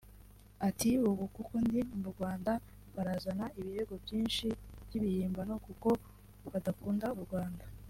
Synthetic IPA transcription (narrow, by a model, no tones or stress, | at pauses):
atiuβukukondibuɾɡwaːnda | βaɾazanaiβiɾe̞ɡo̞bjiːnʃib̥jiβihiːmbano̞kuko̞ | βadakuːndauɾɡwaːnda